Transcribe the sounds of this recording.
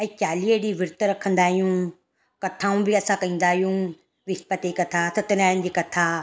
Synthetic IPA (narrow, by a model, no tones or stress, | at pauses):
ɐ̃t͡ɕaːlieɽiʋɪɾt̪ɾɐkʰə̃nd̪aːɦijũ | kɐt̪ʰãːũbɪɐsãkɐĩːn̆d̪aːɦijũ | ʋɪspət̪ekɐt̪ʰasɐt̪ɪnaːnɪ̆d͡ʑiːkɐt̪ʰa